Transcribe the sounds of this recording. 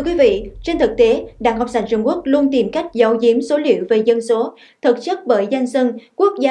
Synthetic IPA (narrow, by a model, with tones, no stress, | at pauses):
t̪ʰɨ˧əkwi˨˦vḭ˧˨t͡ɕe˧nt̪ʰɨ˨˩k̚t̪e˨˦ɗa̰ː˧˩ŋɦa˨˩k͡p̚sa˧˩jŋ̟t͡ɕʊ˧ŋ͡mku˦˥ək̚lu˧ənt̪i˨˩mka˦˥jk̟̚zə˨˦wzi˨˦əmso˨˦lḭ˧˨əwve˨˩zə˧nso˨˦ | t̪ʰɨ˨˩k̚t͡ɕə˦˥t̚ɓəː˧˩jza˧jŋ̟sə˧nku˦˥ək̚zaː˧